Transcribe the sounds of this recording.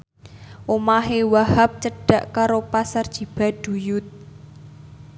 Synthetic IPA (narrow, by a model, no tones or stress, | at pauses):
ʔomaɦewahap̚t͡ʃəɖ̥a̤ʔkaɾopasard̥ʒ̥i̤b̥a̤ɖ̥ṳjʊt̪̚